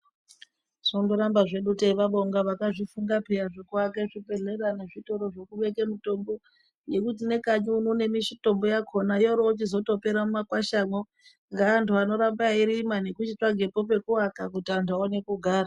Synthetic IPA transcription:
ʐ̥ondoɾambaʐe̞ɗuteiʋaɓoŋɡaʋakaʐifuŋɡaperaʐekuwakeʐipe̞ɮeraneʐito̞ɾo̞ʐo̞kuʋe̞kemuto̞mbo̞ | ne̞kut̬ine̞kaɲuunone̞miʃito̞mbojakʰo̞naijoɾoːt͡ʃizo̞to̞pe̞ɾamumakwaʃamo | ŋɡaːntʰuano̞ɾambaiɾimane̞kut͡ʃit͡ʂaɡʱe̞po̞p̬e̞kuwakakutiantʰuaone̞kuɡʱaːra

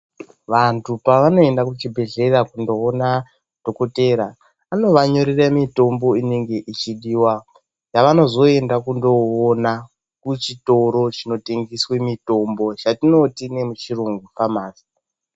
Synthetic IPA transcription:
ʋantʰupaʋano̞e̞ndakut͡ʃibʱe̞ɮe̞rakundo̞ːna | d̥ʱo̞ko̞te̞ɾaː | no̞ʋaɲo̞ɾiramito̞mbo̞ine̞ŋɡe̞ʔit͡ʃiɗiːwa | jaʋano̞zo̞e̞ndakundo̞ːna | kut͡ʃito̞ɾo̞t͡ʃino̞te̞ŋɡiswe̞mito̞mbo̞t͡ʃatino̞tine̞mut͡ʃiruŋɡufamaːzi̥

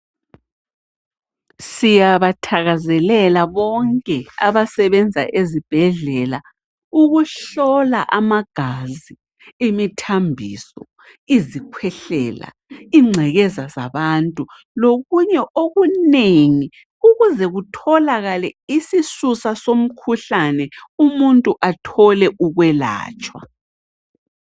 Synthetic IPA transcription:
sijaβatʰaɣazɛlɛlaβɔŋkʼɛaβasɛβɛnd͡zʱa̰ʔezib̥ʱɛɮɛla | uɣuɬɔla̰ʔamaɡ̥ʱazi | imitʰambʱḭsɔ | izikʰwɛɬɛːla̰ | iŋ͡ǀʱɛɣɛzaza̰βantʼu | loɣuɲɛʔoɣuneŋi | uɣuzɛɣutʰɔlaɣalɛisisusasom̩kʰuɬanɛumuntʼuʔatʰɔlɛʔuɣwɛla̰ːt͡ʃʼwa̰

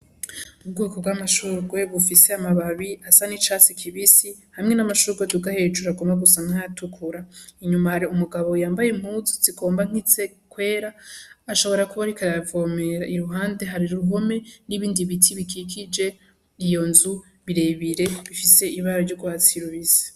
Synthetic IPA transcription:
ub̚ɡuːkobɡwamaʃuɾɡwe̞βufise̞amaβaβiasanit͡ʃat͡sikʰiβisihamŋe̞namaʃuɾɡwetuɡahe̞t͡ʃuɾaɡo̞maɡusaŋaajatʰukʰuɾaiɲumahaɾiumuɡaβo̞jaːmbajem̥uzut͡siko̞ːmbaŋ̥it͡se̞ | kwe̞ːɾaːʃo̞βo̞ɾakuβaɾikaɾavo̞me̞ɾaiɾuɦaːnde̞ɦaɾiɾuɦo̞me̞niβiːndiβitʰiβikikʰid͡ʒe̞ | ɾijo̞nzu | βiɾe̞βiɾe̞βifise̞iβaɾoɾɟoɡwat͡siɾuβiz̥e̥

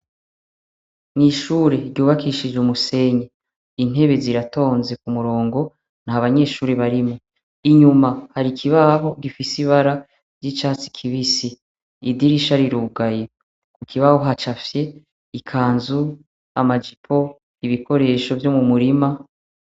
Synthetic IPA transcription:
n̥iʃuːɾe̞ɾɟuːβakiʃid͡ʒumuse̞ɲe | in̥he̞βe̞ziɾato̞ːnze̞kumuɾo̞ːŋɡo̞ | nhaβaɲe̞ːʃuːɾeβaɾimo | iɲumahaɾikʰiβaɦo̞ɡifisiβaɾa | ɾɟit͡ʃaːt͡si̥kʰiβisiː | diɾiʃaɾiɾuːɡaje | kukʰiβaho̞ɦat͡ʃafje̞ | ikʰaːnzu | a̰mad͡ʒipʰo̞ | iβikʰo̞ɾe̞ːʃo̞vjomumuɾima

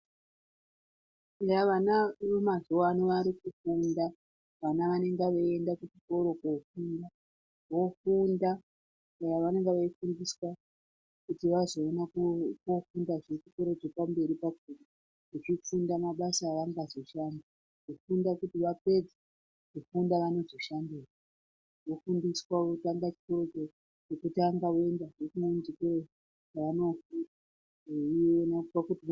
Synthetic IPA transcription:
jaʋanaʋemazowanoʋaɾikufunda | ʋanaʋane̞ŋɡaʋoendakut͡ʃiko̞ɾo̞kofunda | ʋo̞funda | ajaʋane̞ŋɡeʋaifundiswa | kutiʋazo̞ːnakkofundaʐikukoɾed͡zepambe̞ɾipak̚urua | ʐit͡ʃifundamaɓasaːʋaŋɡazo̞ʃanda | ʐofundakutiʋape̞d͡ze | kufundaʋano̞zo̞ʃandira | ofundiswaotaŋɡat͡ʃi̥koɾot͡ʃo | t͡ʃekutaŋɡaoendaʐekunond͡ʒike | t͡ʃaʋano̞futa | eionapakuti

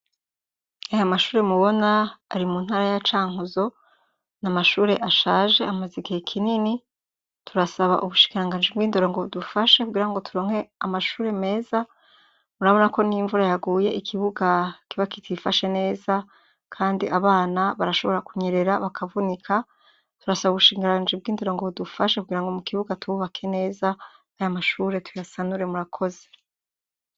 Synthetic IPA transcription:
ajamaʃuːɾe̞muβo̞naːɾimuːnhaːɾajat͡ʃaːŋuzo̞ | namaʃuːɾe̞ʔaʃaːʒe̞amaziɡihekʰinini | tʰuɾasaβa̰ʔuβuʃi̥kiɾaŋɡaːnd͡ʒibɡwiːndoɾo̞ŋɡoβudufaʃe̞kuɡiːɾaŋɡo̞tuɾoːŋ̥he̞amaʃuːɾe̞me̞ːza | muɾaβo̞nako̞niɱvuɾajaɡuːje̞ikʰiβuɡakiβakitʰifaʃe̞ne̞ːza | kʰaːndiʔaβaːnaβaɾaʃo̞βo̞ɾakuɲeɾe̞ɾaβakʰavunikʰa | tuɾasaβuβuʃiːŋɡɾaɡaːnd͡ʒib̚ɡiːnde̞ɾo̞ŋɡoβudufaʃekuɡiːɾaŋɡo̞mukʰiβuɡatuβuβakʰe̞ne̞ːza | ajamaʃuːɾe̞tʰujasanuɾe̞muɾakʰo̞ze̞

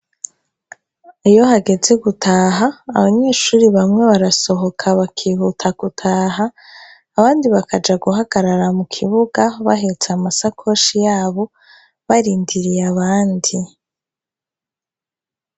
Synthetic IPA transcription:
ijo̞ɦaɡe̞ze̞ɡutʰaːɦaːβaɲe̞ːʃuːɾiβamŋe̞βaɾaso̞ɦo̞kʰaβakʰiːhutʰaɡ̥utʰaːɦaː | βaːndiβakad͡ʒaɡuɦaɡ̥aɾaɾamukʰiβuɡaβaɦet͡seamasakʰo̞ʃijaːβo̞ | βaɾiːndiɾijaβaːndi

